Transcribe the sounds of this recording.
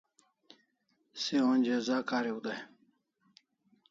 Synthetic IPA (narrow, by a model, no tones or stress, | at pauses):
sewonʲd͡ʑezaːkaːɾeud̪a